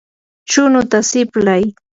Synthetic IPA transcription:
t͡ʃʊnʊt̪asɪplaj

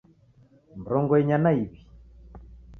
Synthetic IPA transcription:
mɾɔŋɡɔɛɲanaiβi

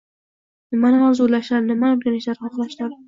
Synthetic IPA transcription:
nɪmanaɒzoɾlaʃlaɾnɪmaoɾɡʲanɪʃaɾɑqlˠaʃlaɾ

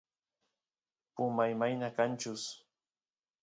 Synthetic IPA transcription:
pʊmajmajnakant͡ʃʊs

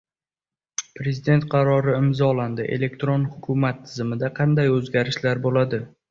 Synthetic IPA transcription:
pɾe̞zid̪e̞nt̪̚qʰɑɾɒɾɪɪmzɒland̪ɪʔe̞̰le̞k̚ʲt̪ɾo̞nhʊkʰʊmat̪ʰːɪzɪmɪd̪aqʰɑnd̪ajɵzɡʲaɾɪʃlaɾbolad̪ɪ

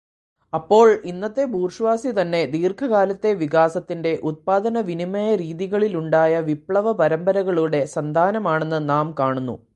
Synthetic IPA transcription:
ɐpːo̞ːɭinːɐt̪ːe̞buːrʂɐʋaːsit̪ɐnːe̞d̪iːrkʰɐɣaːlɐt̪ːe̞ʋikaːsɐt̪ːinde̞ʔut̪̚paːd̪ɐnɐʋinimɐjɐɾiːðiɣɐɭiluɳɖaːjɐʋipɭɐʋɐpɐɾɐmbɐɾɐɣɐɭuɽe̞sɐnd̪ʱaːnɐmaːɳe̞nːɨnaːmkaːɳunːṵ

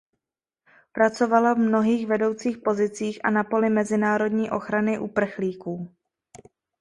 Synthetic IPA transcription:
pɾat͡so̞valavmno̞ɦiːxvɛdo̞wt͡siːxpo̞zɪt͡siːxʔa̰napo̞lɪmɛzɪnaːɾo̞dɲiːʔo̞xɾanɪʔupr̩xliːkuː

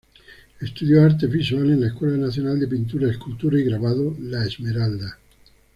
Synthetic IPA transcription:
est̪uðjoaɾt̪evisualenlaeskwɛlanaθjonald̪epint̪uɾaeskult̪uɾaiɡɾaβaðolaezmeɾald̪a

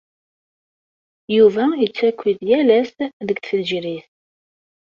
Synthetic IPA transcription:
juvæit͡sːækʷːiðjælæsðəɡθəlʒɾiθ

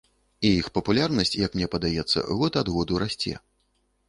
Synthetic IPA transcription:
ijixpɐpulʲarnɐsʲt͡sʲjɐkmnʲɛpɐd̪ajɛt̪sːɐ̰ɣɔt̪ad̪ɣɔd̪uɾasʲt͡sʲɛ̰

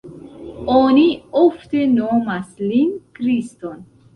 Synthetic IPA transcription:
onioft̪enomaslinkɾist̪on

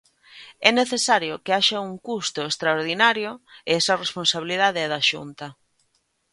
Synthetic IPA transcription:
ɛneθesaɾjʊkeaʃɐuŋkust̪ʊest̪ɾaoɾð̞inaɾjʊɪɛsɐresponsaβiliðaðeɛðaʃṵnt̪ɐ

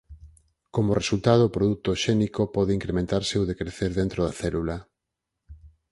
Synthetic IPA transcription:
komoresult̪að̞oːpɾoðut̪oʃɛnikopɔðɪiŋkɾemẽnt̪aɾseoðekɾeθeɾðent̪ɾoðɐaθɛlula

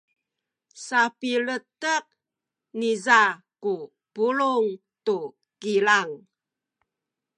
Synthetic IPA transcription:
sapilətəq̚ | nizaku | puluŋ | tu | kilaŋ

